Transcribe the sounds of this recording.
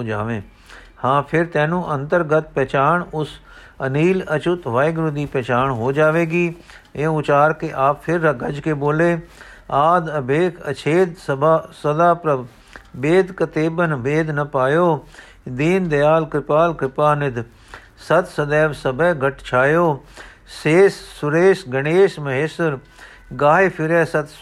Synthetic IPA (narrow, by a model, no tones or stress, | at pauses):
oːd͡ʒaːʋẽː | hãːpʰɪɾt̪ɛ̃ːnũːʔənt̪əɾɡət̪̚pɛːt͡ʃaːɳʊs | əniːlət͡ʃʊt̪ʋaːɪɡɾʊd̪iːpɛːt͡ʃaːɳɦoːd͡ʒaːʋeːɡiː | ẽːʊt͡ʃaːɾkeʔaːppʰɪɾəɡəd͡ʒkeːboːleː | aːd̪əbeːkʰə̰t͡ʃʰeːd̪səbasəd̪aːpɾə | beːd̪kɐt̪eːbənbeːd̪ʱnɐpaːjoː | d̪iːnd̪ɐjaːlkɾɪpaːlkɾɪpaːnɪd̪ | sɐt̪sɐd̪ɛːʋsɐbʱɛːɡʱɐʈt͡ʃʰaːjoː | seːsːʊɾeːsɡɐɽ̃eːsmɐɦeːsɪɾ | ɡaːɦepʰɪɾɛːsɐt̪